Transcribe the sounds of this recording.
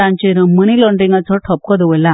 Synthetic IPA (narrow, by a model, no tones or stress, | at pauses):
ãɲt͡ɕiɾəməñilɔɳɖɾiŋɡat͡sɔʈʰɔp̚kɔd̪ʋəjla